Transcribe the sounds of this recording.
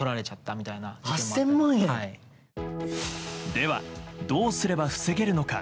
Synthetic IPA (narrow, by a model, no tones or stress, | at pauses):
oɾaɾe̞t͡ɕat̪ːamʲit̪ainahasːẽ̞mbɯ̃ɰ̃jãi | d̪e̞βa̰d̪o̞ːsɨɾe̞baɸɯ̟̥se̞ɡe̞ɾɯ̟no̞ka̰